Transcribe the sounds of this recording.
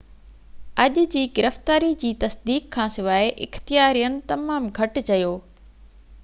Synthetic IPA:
ɐʄd͡ʑiːɡɪɾəft̪aːɾid͡ʑiːt̪ɐsd̪iːkʰːãːsɪʋaːeʔɪ̰xt̪ijaːɾijənɪ̆t̪ɐmaːmɡʱɐʈt͡ɕɐjoː

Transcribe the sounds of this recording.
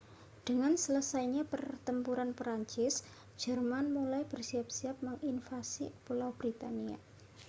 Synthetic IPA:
d̥əŋansələsajɲapərt̪əmpuɾanpɾaɲt͡ʃɪs | d͡ʒ̥ərmanmulajb̥ərsiap̚siap̚məŋʔinfasḭpulawb̥ɾit̪ania̰

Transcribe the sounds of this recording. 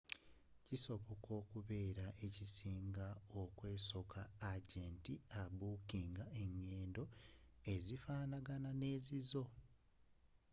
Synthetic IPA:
ciso̞βo̞ko̞ːkuβe̞ːɾaʔe̞cisiːŋɡaokwe̞ːso̞kʰaːɟe̞ːntiaβuːkiːŋɡae̞ɲːe̞ːndo̞e̞zifaːnaɡanane̞ːzizo̞

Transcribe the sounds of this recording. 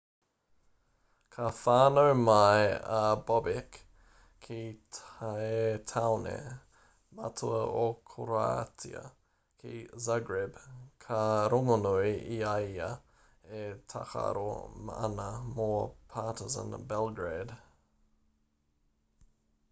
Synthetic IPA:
kʰafaːnəwmajəbɔbɪkʰ | i | et̪ʰawnḛ | matʰuəokʰoɾa̰tʰiə̰ | kʰizaɡɹɛbkʰaɾoŋonujiajə̰ | etʰa̰ka̰ɾo̰məa̰nəmoːpʰaːtɪzə̰nbɛlˠɡɹed

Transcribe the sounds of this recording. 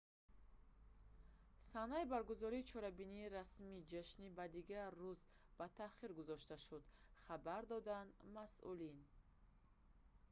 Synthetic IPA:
sanaibaɾɡuzɔɾiːt͡ʃʰɔɾabiniːɾasmid͡ʒaʃnibad̪iɡaɾːuz | b̥at̪ʰaχiɾɡuzɔʃt̪aʃud̪χabaɾd̪ɔd̪anmasʔṵlin

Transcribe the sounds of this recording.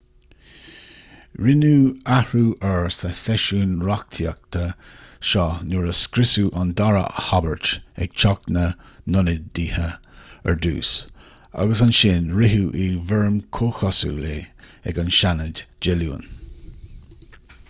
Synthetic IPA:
ɹɪnuːahɹuːʔɛɹsəsɛʃuːnɹak̚t̪ʰiə̰k̚t̪ʰəʃɔnuɹəskɾɪsuʔand̪aɹə̰habəɹt͡ʃɛ̰ɡ̥t͡ʃʰɔknənʊnəd̚diːhəɛ̰ɹd̪ṵːs | a̰ɡəsanʃɪnɹɪɦuːʔivɛɹmkʰoxɔsṵleː | ɛ̰ɡanʃanədd͡ʒɛlṵːə̰n

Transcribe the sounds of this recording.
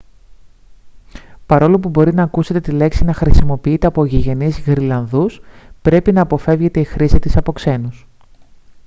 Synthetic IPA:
pɐɾo̞lopubo̞ɾinɐːkuse̞t̪e̞t̪ile̞ksinɐxɾisimo̞piit̪e̞ɐpoʝiʝe̞nizɣɾilɐnðuspɾe̞pinɐːpo̞fe̞vʝe̞t̪e̞ixɾisit̪isɐpo̞kse̞nus

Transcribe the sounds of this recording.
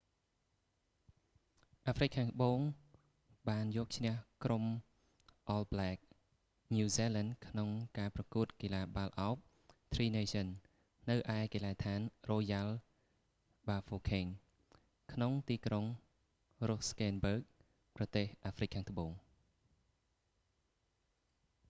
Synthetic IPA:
ʔaːfrɨk̚kʰːaːŋt̪ʰəɓoːŋ | ɓaːnjɔːək̚t͡ɕʰnɛ̆əhkrom | ʔɑlblɛːk̚ | nuːsiːlɛndkʰnoŋkaːprɑkuət̪̚kiːlaːɓalʔaɔp̚ | t̪ʰriːneːsənː | ɨwʔaɛkilaːt̪ʰaːnroːjal | ɓaːfoːkʰeŋ | kʰnoŋt̪iːkroŋ | roskɛːnbəːk̚ | prɑt̪eːhʔaːfrɨc̚kʰːaːŋt̪ə̆ɓoːŋ

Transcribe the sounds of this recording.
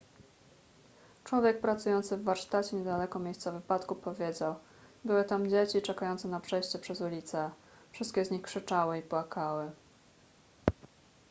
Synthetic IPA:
t͡ʂwɔvʲjɛk̚pɾat̪sujɔnt̪sɘvːaɾʂt̪at͡ɕɛɲɛd̪alɛkɔmʲjejst̪savɘpat̪kupɔvʲjed͡ʑaw | bɘwɘt̪amd͡ʑet͡ɕit͡ʂɛkajɔnt̪sɛnapʂɛjɕt͡ɕɛpʂɛzulʲit̪sɛ | fʂɘst̪kʲɛzɲixkʂɘt͡ʂawɘipwakawɘ

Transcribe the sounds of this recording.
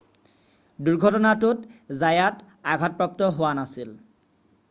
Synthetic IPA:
duɹɡʱɔtɔnatʊtzajat | aɡʱɔt̚pɹap̚tɔɦowanasil

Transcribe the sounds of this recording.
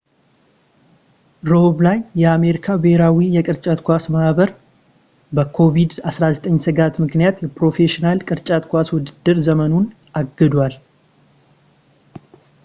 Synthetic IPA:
ɾoblajːɛame̞ɾikʰabɨheɾawijɛkʼɨɾt͡ʃʼat̪kʷasmahbəɾ | bəkʰo̞vid̪asɾazət̪ʼəɲːsɨɡat̪mɨknijat̪jɛpɾo̞fe̞ʃinalkʼɨɾt͡ʃʼat̪kʰʷaswʊd̪ɨd̪ːɨɾzəmənun | ʔaɡːɨd̪wal

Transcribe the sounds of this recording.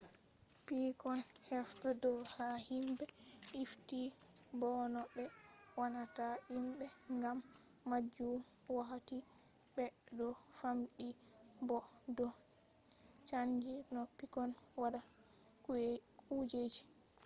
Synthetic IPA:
pikɔnhɛftɛdɔhahimbɛʔiftibɔnɔɓɛwanataʔimbɛŋɡamːad͡ʒunwaɦatibɛdɔfamɓibɔdɔ | t͡ʃand͡ʒinɔpːikɔnwadakuekʰud͡ʒed͡ʒi̥

